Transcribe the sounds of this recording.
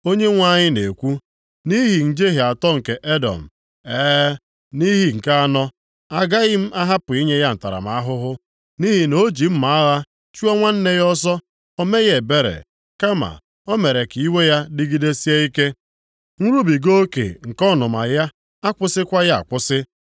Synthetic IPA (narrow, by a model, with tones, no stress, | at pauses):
o˦ɲe˦ŋʷa˦˨ɲɪ˦ne˨kʷu˦ | ni˦ɦi˨n̩˨d͡ʒe˦ɦe˨a˨tɔ˦ŋ̩˨ke˨ʔe˦dɔ̰˨m̩˨ | eː˦ | ni˦ɦi˦ŋ̩˨ka˦a˦nɔ˦ | a˦ɡa˦ɣɪ˦m̩˦ʔa˦ɦa˦pʊ˨i˦ɲe˦ja˦n̩˨ta̰˨ɾa̰˨m̩a˦ɦʊ˦ɦʊ˦ | ni˦ɦi˨no˦d͡ʒi˨m̩˦ma˨a˦ɣa˦ | t͡ʃu˦ɔ˦ŋʷa˦n̩˦ne˦jɔ˦zɔ˦ | o˦me˦ɣe˨be˦ɾḛ˨ | ka˦ma̰˨ | o˦me˨ɾe˨ki˦we˦ja˦dɪ˦ɡi˦de˦si˦e˦i˦ke˦ | ŋ̩˦ɾu˦bi˨ɡo˦kḛ˨ŋ̩˨kɔ˦nʊ˨ma˨ja˦ | a˦kʷʊ˦sɪ˦kʷa˦ja˦a̰˨kʷʊ˦sɪ˦